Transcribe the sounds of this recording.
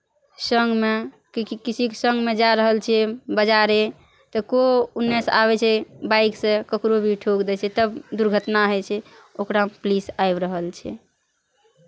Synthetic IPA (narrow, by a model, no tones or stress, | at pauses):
səŋɡme | kkit͡ʃʰikesə̃ŋɡmed͡ʒaɾəɦəlt͡ʃʰɛbəd͡ʒaɾe | t̪əkounːɛsa̰βɛt͡ʃʰɛbaiksẽkəkɾobʱiʈʰokd̪ɛt͡ʃʰɛt̪əbd̪uɾɡʱət̪naɦɔjt͡ʃʰɛ | okɾaplisaebɾəɦəlt͡ʃʰɛ̰